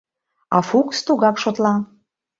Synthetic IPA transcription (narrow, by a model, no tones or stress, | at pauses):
ɑ̰fukst̪uɣɑkʃot̪lɑ